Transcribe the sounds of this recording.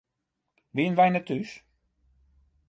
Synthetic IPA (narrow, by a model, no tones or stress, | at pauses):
ʋiənʋɛjnətys